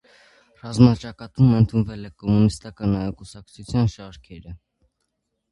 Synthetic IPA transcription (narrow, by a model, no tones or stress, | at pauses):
rɑzmɑt͡ʃɑkɑt̪umənt̪ʰunvɛlɛkɔmunist̪ɑkɑnɑjɑkusɑk̚t͡sʰut͡sʰjɑnʃɑɾkʰɛɾə